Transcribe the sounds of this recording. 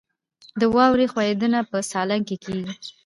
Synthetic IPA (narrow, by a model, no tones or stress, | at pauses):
d̪əwɑwɾexwɑjed̪ənapəsɑlaŋkekeɡi